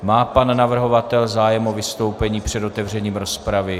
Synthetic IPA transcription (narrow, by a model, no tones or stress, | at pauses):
maːpanːavr̩ɦo̞vat̪ɛlzaːjɛmovɪst̪o̞wpɛɲiːpr̝̥ɛdo̞t̪ɛvr̝ɛɲiːmɾo̞spɾavɪ